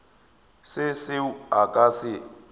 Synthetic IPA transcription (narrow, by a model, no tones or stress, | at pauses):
sɪsɪakʼasɪ